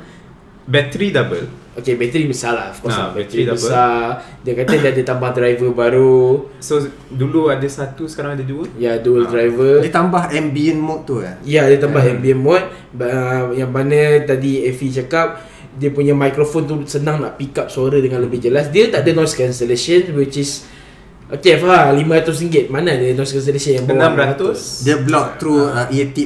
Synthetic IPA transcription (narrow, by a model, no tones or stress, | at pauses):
bɛt̪ɾidabə̰l | okebɛt̪əɾibəsalaɔfkɔsnbɛt̪ɾibəsadiəkat̪ədɛdiət̪ambahdɾajvəbaɾuso | duluadəsat̪usə̥kaɾaŋadaduəjaduəldɾajvədət̪ambaɦɛmbiənmɔt̪ːuajadiət̪ambaɦɛmbiənmɔt̪̚ | baəjaŋmanə̃t̪adiɛfit͡ʃakap̚ | diəpuɲamajkɾofont̪usənãŋna̰ʔpikap̚suaɾədəŋãnləbɪhd͡ʒəlas̬diət̪aʔdənɔskansəlesənwit͡ʃis | ʔokefaɦalimaat̪ʊs̬iŋɡɪt̪̚manadənɔskans̬əlesənjaŋbəwnãmbɾaat̪ʊsdəblɔk̚t̪ɾuit̪i